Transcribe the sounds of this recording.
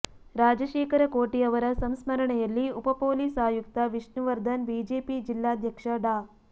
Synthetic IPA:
ɾaːd͡ʒɐʃeːkɐɾɐkoːʈijɐʋɐɾɐsɐmsmɐɾɐɳɐjɐlːiupɐpoːliːsaːjuk̚t̪ɐʋiʂɳuʋɐɾd̪ʱɐnbiːd͡ʒeːpid͡ʒilːaːd̪ʱjɐkʂɐɖaː

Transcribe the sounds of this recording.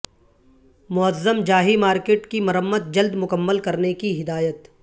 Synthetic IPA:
mʊəzːəmd͡ʒaːɦimaːɾkeːʈkimɐɾəmːəd̪̚d͡ʒɐld̪mʊkəmːəlkɐɾnekiɦɪd̪aːjət̪

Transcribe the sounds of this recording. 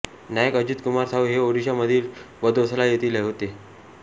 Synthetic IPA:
najəkəd͡ʑit̪kumaɾsaʋɦeoɽiɕaməd̪ʱiːlʋəd̪ʱoslajet̪iːleɦot̪e

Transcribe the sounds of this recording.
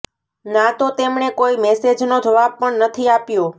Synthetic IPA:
nat̪ot̪emɳekoimɛsed͡ʒnod͡ʒəʋab̚pəɳnət̪ʰiapjo

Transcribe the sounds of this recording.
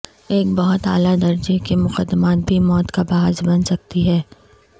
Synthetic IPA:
eːkbɐɦʊt̪aːlad̪ɐɾd͡ʒekemʊqəd̪ːmaːt̪̚bʱimɔːt̪kabaːɦzbɐnsɐk̚t̪iɦɛː

